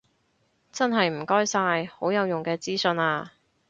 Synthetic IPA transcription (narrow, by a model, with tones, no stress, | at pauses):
t͡sɐ˥nɦɐ˨jm̩˨˩kɔː˥jsaː˧jho˨˥wjɐ˨˧wjʊ˨ŋkɛː˧t͡siː˥sɵ˧naː˧